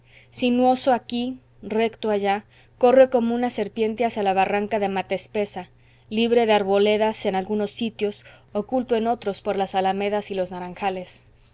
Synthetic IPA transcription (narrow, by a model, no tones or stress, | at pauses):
sinwo̞soaki | re̞kt̪oaʝa | ko̞re̞ko̞mo̞ũnase̞ɾpje̞nt̪e̞asjalaβ̞araŋkaðe̞mat̪espe̞sa | liβɾe̞ðeaɾβo̞le̞ðase̞nalɣuno̞sːit̪jo̞s | okult̪oe̞no̞t̪ɾo̞spo̞ɾlasalame̞ðasilo̞znaɾaŋxale̞s